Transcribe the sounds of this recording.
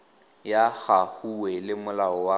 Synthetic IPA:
jaɣahuwɛlɪmʊlaɔwa

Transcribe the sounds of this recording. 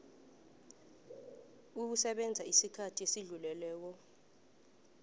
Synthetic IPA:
uk̬usɛɓɛnd͡zʱaisikʰatʰiesiɮulɛlɛːk̬ɔ

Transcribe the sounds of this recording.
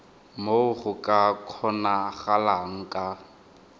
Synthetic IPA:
moʊχʊkʼakʰɔnaχalaŋ̩kʼa

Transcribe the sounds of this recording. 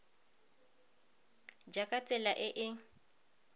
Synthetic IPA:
d͡ʒakʼat͡sʼɛlaʔɪʔɪ

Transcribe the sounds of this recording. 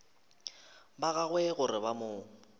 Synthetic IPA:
baɣaɣwɛɣʊɾɪbamʊːŋ̩

